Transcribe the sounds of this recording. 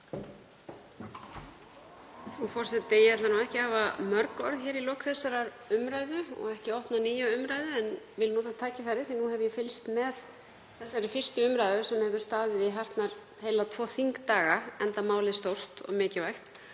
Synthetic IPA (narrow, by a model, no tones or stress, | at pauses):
nufɔr̥sɛt̪ːejɛt̪lanuɛhcɪhaːvamœɾkɔ̰ɾðçɛːɾilowkθɛsaɾaɾ | ʏmɾaːjðʏɔ̰ɣɛhcɪɔwhp̪naniːjaʏmɾajðʏɛnvɪlnuːɾt̪at̪ʰaːcɪfaɾɪ̥θinuɦɛvʏjɛfɪlst̪mɛð | θɛsːaɾɪfɪr̥st̪ʏʏmɾajðʏɾ̥sɛmhɛvʏɾ̥st̪aːðɪðiɦar̥t̪naɾ̥ | heːjlat̪ʰvɔːθiŋkt̪aːɣaɛnt̪amaːwlɪst̪owr̥t̪ɔ̰ɣmɪːcɪvajxt̪